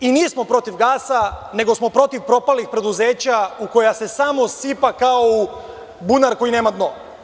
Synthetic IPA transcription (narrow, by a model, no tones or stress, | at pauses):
inijesmo̞pɾo̞t̪iʋɡaːsane̞ɡo̞smo̞pɾo̞t̪iʋpɾo̞palixpɾe̞d̪uze̞ːt͡ɕauko̞jase̞samo̞sipakao | bunaɾko̞jine̞ːmad̪no